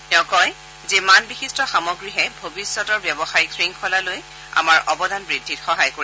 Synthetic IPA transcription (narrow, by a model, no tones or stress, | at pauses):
tɛʊ̃kɔj | zimanbixistɔxamɔɡɹiɦɛbʱobisːɔtɔɹbjɔbɔxaɹikɹiŋkʰɔlaloj | a̰maɹʔɔbɔdanbɹidʱːitxɔɦajkoɹi